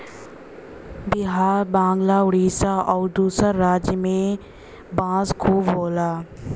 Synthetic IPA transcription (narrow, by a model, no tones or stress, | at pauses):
bɪɦaːɾbãːŋɡlaːʊɽiːsaʔɔːɾd̪uːsəɾːaːd͡ʒjəmẽ | bãːzkʰuːbboːlaː